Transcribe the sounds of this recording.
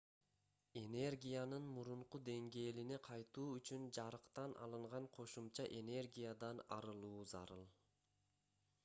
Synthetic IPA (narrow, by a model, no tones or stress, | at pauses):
e̞ne̞rɡʲijanɯnmuɾuɴqud̪e̞ŋɡe̞ːlineqʰɑjt̪uːyt͡ʃynd͡ʒɑɾɯqt̪ɑnʔɑ̰lˠɯɴʁɑɴqʰo̞ʃumt͡ʃɑʔe̞ne̞rɡʲijad̪ɑnɑ̰ɾɯlˠuːzɑ̰ɾɯlˠ